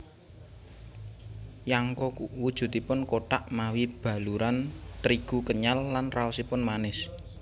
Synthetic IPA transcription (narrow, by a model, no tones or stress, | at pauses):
jaŋkɔuwud̥ʒ̥ṳdt̪ipʊnkoʈaʔmawib̥ä̤luɾant̪ɾiɡ̥ukəɲalːanraɔsipʊnmanɪs